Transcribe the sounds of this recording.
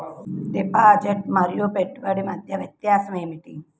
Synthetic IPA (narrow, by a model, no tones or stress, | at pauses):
t̪epaːd͡ʒɐʈ̚maɾjoːpeʈʋɐɽimat̪jɐʋɐt̪jaːsmeːmiʈi